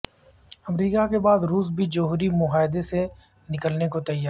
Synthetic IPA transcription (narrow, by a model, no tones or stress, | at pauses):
ɐmɾiːkakebaːd̪ɾuːs̬bʱid͡ʒoɦʊɾimʊɦaːɪd̪ese | nɪkəlnekot̪ɐjːaː